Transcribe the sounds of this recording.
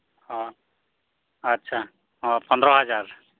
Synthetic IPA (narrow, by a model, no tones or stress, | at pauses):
hɔ̃ | ətːʃʰa | ɦɔ̃pɔnd̪ɾɔɦʌd͡ʒaɾ